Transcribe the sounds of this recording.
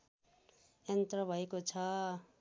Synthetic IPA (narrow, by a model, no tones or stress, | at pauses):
jʌnt̪rʌbʱʌekot͡sʰʌ